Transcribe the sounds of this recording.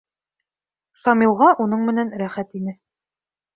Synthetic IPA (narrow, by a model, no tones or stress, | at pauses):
sɑmilˠʁɑʔunɤɴmɘ̆nænɾæχæt̪inɘ